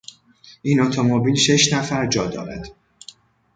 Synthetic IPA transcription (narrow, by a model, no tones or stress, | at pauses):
ʔiːnot̪ʰomobiːlʃe̞ʃnæfæɾd͡ʒɒːd̪ɒ̰ːɾæ̰d̪̥